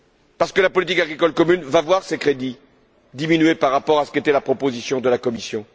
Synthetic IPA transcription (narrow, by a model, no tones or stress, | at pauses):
paʁsə̥kəlapɔlit̪ikaɡʁikɔlkɔmynvavwaʁsekχed̪i | d̪iminyɥepaʁːapɔʁasə̥ket̪ɛlapχɔpozisjɔ̃d̪əlakɔmisjɔ̃